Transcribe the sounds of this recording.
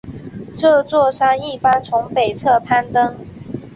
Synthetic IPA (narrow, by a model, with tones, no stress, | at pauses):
ʈ͡ʂɤ˥˧t͡swɔ˥˧ʂa˥ŋi˥˩pa˥nt͡sʰʊ˧˥ŋpe˨˩ɪt͡sʰɤ˥˧pʰa˥˩nt̪ɤ˦ŋ